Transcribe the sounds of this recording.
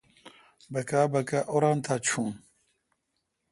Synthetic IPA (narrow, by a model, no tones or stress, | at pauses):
bɐkabɐkaʔoɾant̪ʰat͡ɕʰũn